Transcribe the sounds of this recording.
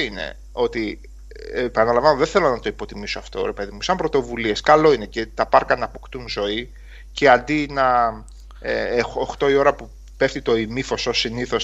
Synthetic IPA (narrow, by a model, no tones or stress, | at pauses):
inḛ | o̞t̪i | epɐnɐlɐɱvɐnoðeθelonɐt̪o̞ipo̞t̪imisoɐft̪o̞̰ɾe̞pe̞ðimusɐmbɾo̞t̪o̞vulie̞skɐlo̞ine̞ce̞t̪ɐpɐɾkɐnɐpokt̪unzo̞i | ceɐnd̪inɐ | oxt̪o̞io̞ɾɐpu | pe̞ft̪it̪o̞imifo̞so̞siniθo̞s